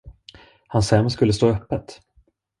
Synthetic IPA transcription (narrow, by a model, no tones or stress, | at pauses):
hansɛmskɵlːəst̪oːœpːət̪